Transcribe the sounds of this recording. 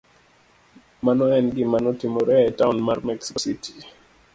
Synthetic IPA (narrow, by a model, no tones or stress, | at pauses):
manɔɛnɡɪmanɔtɪmoɾɛaɛtaʊnmarmɛksksitʰi̥